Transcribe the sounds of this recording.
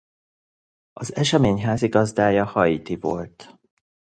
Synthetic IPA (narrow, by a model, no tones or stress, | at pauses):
ɒzɛʃɛmeːɲɦaːziɡɒzd̪aːjɒhɒjit̪ivo̞̰lt̪